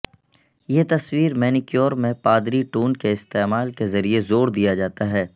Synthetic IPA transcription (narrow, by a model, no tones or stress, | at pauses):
jeːt̪ɐswiːɾmɛːnɪkjoːɾmẽpaːd̪ɾiʈuːnkeɪst̪eːmaːlkezɐɾiezoːɾd̪ijad͡ʒaːt̪aɦɛː